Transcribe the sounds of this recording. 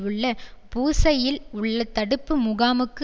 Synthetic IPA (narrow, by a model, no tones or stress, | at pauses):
ɯɭːɐpuːsɐjɪlʊɭːɐt̪ːɐɽɯpːɯmʊɣaːmɯkː